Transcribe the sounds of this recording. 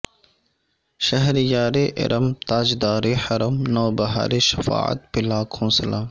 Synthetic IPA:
ʃɐɦɾjaːɾeːʔɪ̰ɾʔɐmt̪aːd͡ʒd̪aːɾeːħɐɾɐmnoːbɐɦa̰ːɾeʃɐ̥fa̰ːə̰t̪̚pɪlaːkʰõːsɐlaː

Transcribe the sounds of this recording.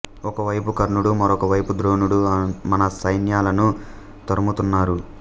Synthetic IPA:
ɔkɐʋɐjpukɐɾɳuɽumɐɾɔkɐʋɐjpud̪ɾo̞ːnuɽumɐnɐsɐjnjaːlɐnu | t̪ɐɾɐmut̪unːaːɾu

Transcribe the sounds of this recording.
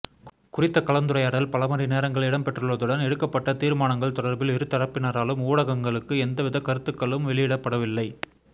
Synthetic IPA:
kʊrɪt̪ːɐkɐlɐnd̪ɯɾɐjaːɽɐlpɐlɐmɐɾineːɾɐŋɡɐɭɪɽɐmpɛʈrɯɭʋɐðɯɽɐnɛɽɯkːɐpːɐʈːɐt̪iːɾmaːnɐŋɡɐɭt̪ɔɽɐɾbɪlɪɾɯt̪ːɐɽɐpːɪnɐɾaːlɯmuːɽɐɣɐŋɡɐɭɯkːɯɛnd̪ɐʋɪðɐkɐɾɯt̪ːɯkːɐɭɯmʋɛɭɪjɪɽɐpːɐɽɐʋɪlːɐɪ

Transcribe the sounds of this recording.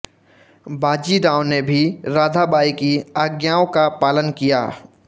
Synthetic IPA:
baːd͡ʒiɖãːʊ̃nnːebʱiɾaːd̪ʱabaːikiaːɡjaːõkapaːlənkija̰ː

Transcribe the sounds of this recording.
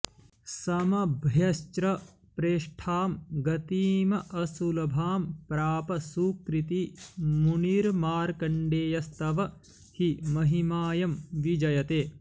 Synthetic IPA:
sɐmɐbʱjɐst͡ʃɾɐ | pɾeːʂʈʰaːmɡɐt̪iːmɐʔɐsulɐbʱaːmpɾaːpɐsuːkɾit̪imuniːɾmaːɾkɐɳɖeːjɐst̪ɐʋɐ | himɐɦimaːjɐmʋid͡ʒɐjɐt̪eː

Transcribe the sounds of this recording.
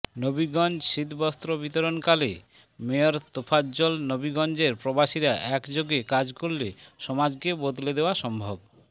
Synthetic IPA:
nobiɡɔnd͡ʑʃit̪bɔst̪ɾobit̪oɾonkale | meoɾt̪opʰad͡ʑolnobiɡɔnd͡ʑeɾpɾobaʃiɾaʔɛkd͡ʑoɡekad͡ʑkolleʃɔmad͡ʑkebod̪led̪eoaʃɔmbʱob

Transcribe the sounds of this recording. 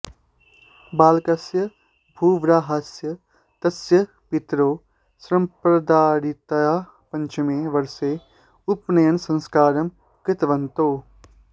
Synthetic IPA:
baːlkɐsjɐ | bʱuːʋɾaːɦɐsjɐ | t̪ɐsjɐ | pɪt̪ɾoː | sɾɐ̃mpɾɐd̪aːɾit̪ɐjaː | pɐɲt͡ʃɐmẽʋɐɾseː | ʊpnɐjɐnsɐ̃nskaːɾɐm | kɪt̪ʋɐnt̪oː

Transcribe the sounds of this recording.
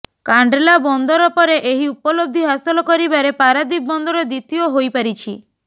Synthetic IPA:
kaɳɖelabɔnd̪ɔɾɔpɔɾeʔeɦiupɔlob̚d̪ʱiɦasɔlɔkɔɾibaɾepaɾad̪ik̚bɔnd̪ɔɾɔd̪it̪ioɦojpaɾit͡ʃʰi

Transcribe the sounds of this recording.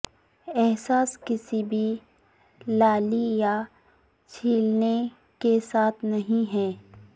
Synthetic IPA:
ɛɦsaːskɪsibʱi | laːlija | t͡ʃʰiːlne | kesaːt̪ʰnɐɦĩɦɛː

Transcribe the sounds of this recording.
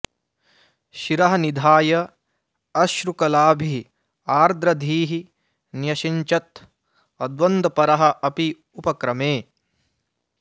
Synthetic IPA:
ʃiɾɐɦɐnid̪ʱaːjɐ | ɐʃɾukɐlaːbʱi | aːɾd̪ɾɐd̪ʱiːɦi | njɐʃiɲt͡ʃɐt̪ | ɐd̪ʋɐnd̪ɐpɐɾɐɦɐ̆ʔɐpi | upɐkɾɐmeː

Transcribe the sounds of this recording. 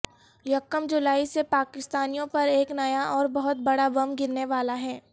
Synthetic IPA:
jɐkːəmd͡ʒʊlaːisepaːkɪst̪aːnijõpɐɾeːknɐjaʔɔːɾbɐɦʊt̪̚bɐɽaʋɐmɡɪɾneʋaːlaɦɛː

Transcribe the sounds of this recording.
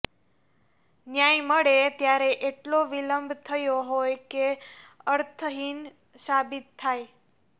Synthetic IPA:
njajməɭet̪jaɾeʔeʈloʋiləmbʱt̪ʰəjoɦojkeəɾt̪ʰəɦin | ʃabit̪ʰːaj

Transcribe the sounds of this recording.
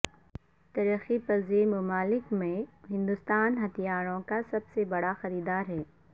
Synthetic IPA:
t̪ɐɾəxipɐzemʊmaːlɪkmẽɦɪ̃nd̪ʊst̪aːnɦɐt̪ʰijaːɾõkasɐbsebɐɽaxɐɾiːd̪aːɾɦɛː

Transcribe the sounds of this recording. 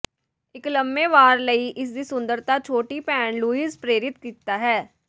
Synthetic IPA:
ɪkləmbeːʋaːɾləiːʔɪs̬d̪iːsʊ̃nd̪əɾt̪aːt͡ʃʰoːʈiːpɛːnluːizpɾeːɾɪt̪kiːt̪aːɦɛː

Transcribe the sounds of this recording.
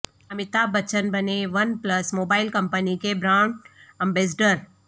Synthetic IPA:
ɐmɪt̪abɐt͡ʃənbɐneʋɐnplɐsmoːbaːɪlkɐ̃mpənikebɾãːɳɖɐ̃mbeːs̬ɖəɾ

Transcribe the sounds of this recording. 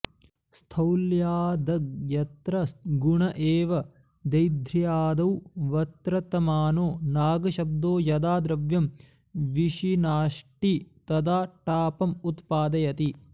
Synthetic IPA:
st̪ʰɐwljaːd̪ɐjɐt̪ɾɐsɡuɳɐʔeːʋɐ | d̪ɐjd̪ʱɾjaːd̪ɐwʋɐt̪ɾɐt̪ɐmaːnoːnaːɡɐʃɐb̚d̪oːjɐd̪aːd̪ɾɐʋjɐm | ʋiʃinaːʂʈit̪ɐd̪aːʈaːpɐmut̪paːd̪ɐjɐt̪i

